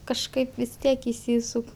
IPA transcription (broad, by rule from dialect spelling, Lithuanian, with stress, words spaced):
kɐʃˈkɐɪp ʋʲɪs ˈtʲiɛk ɪʃʲˈsʲiːsʊk